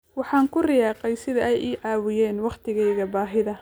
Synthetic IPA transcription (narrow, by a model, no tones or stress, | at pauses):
wɑħɑːŋkʰʊrɪjɑːqɛjsɪðɐʔɛjʔiːʕɑːwɪjɛːnwɑqt̪ʰɪɣɛjɣɐbaːɦɪðɐ